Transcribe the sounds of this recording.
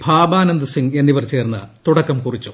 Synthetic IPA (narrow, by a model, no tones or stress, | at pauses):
bʱaːbaːnɐnd̪ɨsiŋɡe̞nːiʋɐrt͡ɕe̞ːrnːɨ̰t̪uɽɐkːɐmkurit͡ɕːu̥